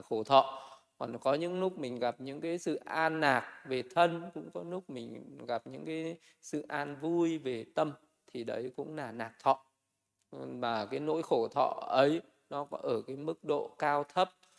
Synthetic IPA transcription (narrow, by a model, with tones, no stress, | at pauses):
xo˧˩t̪ʰɔ̰˧˨ | kɔ˨˩nkɔ˨˦ɲɨ̰˧˥ŋnʊ˦˥k̚mï˨˩ŋ̟ɣa˨˩p̚ɲɨ̰˧˥ŋkaː˨˦jsɨ̰˧˨ʔaː˧nːaː˨˩k̚ve˨˩t̪ʰə˧nkʊ̰˧˥ŋ͡mkɔ˨˦nu˦˥k̚mï˨˩ŋ̟ɣa˨˩p̚ɲɨ̰˧˥ŋkaː˨˦j | sɨ̰˧˨ʔaː˧nvu˧jve˨˩t̪ə˧m | t̪ʰi˨˩ɗə˨˦jkʊ̰˧˥ŋ͡mlaː˨˩naː˨˩k̚t̪ʰɔ̰˧˨ | maː˨˩kaː˨˦jno̰˧˥jxo˧˩t̪ʰɔ̰˧˨ʔə˨˦j | nɔ˨˦ɔ˨˦ʔəː˧˩kaː˨˦jmɨ˦˥k̚ɗo̰˧˨kaː˧wt̪ʰə˦˥p̚